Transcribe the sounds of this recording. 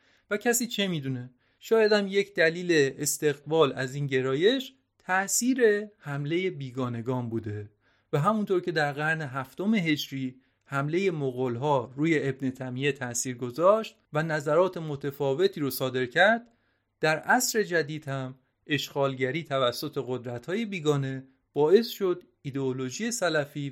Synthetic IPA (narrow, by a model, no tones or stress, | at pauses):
væcʰæsiːt͡ʃʰe̞miːd̪uːne̞ | ʃɒːjæd̪æmje̞cʰd̪æliːle̞ːst̪e̞ɣbɒːlæziːnɟe̞ɾɒːje̞ʃ | t̪ʰæʔsiːɾe̞hæmle̞je̞biːɡɒːne̞ɡɒːnbuːd̪e̞ | væɦæmunt̪ʰoɾcʰe̞d̪æɾɣæɾne̞ɦæft̪o̞me̞ɦe̞d͡ʒɾiː | hæmle̞je̞moɣolɦɒːɾuːje̞ʔebnet̪ʰæmiet̪ʰæʔsiːɾɡo̞zɒːʃt̪̚vænæzæɾɒːt̪ʰe̞mo̞t̪ʰefɒːve̞t̪ʰiːɾosɒːd̪e̞ɾcʰæɾd̪̥̚ | d̪æɾʔæsɾe̞d͡ʒæd̪iːd̪̥hæm | ʔe̞ʃɢɒːlɟæɾiːt̪ʰævæsːo̞t̪ʰe̞ɣo̞d̪ɾæt̪hɒːje̞biːɡɒːne̞ | b̥ɒːe̞sʃo̞d̪ | id̪eolo̞ʒije̞sælæfiː